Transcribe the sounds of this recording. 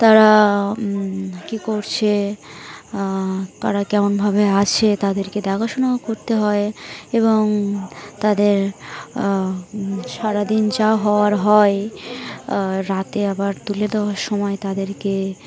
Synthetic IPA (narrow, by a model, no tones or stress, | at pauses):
t̪aɾa | kikoɾt͡ɕʰe | t̪aɾakɛmonbʱabeat͡ɕʰet̪ad̪eɾked̪aɡoʃonaokoɾt̪eɦɔeeβoŋt̪ad̪eɾ | ʃaɾad̪ind͡ʑaoɦɔoaɾɦɔe | ɾat̪eabaɾt̪uled̪eoaɾʃɔmɔet̪ad̪eɾke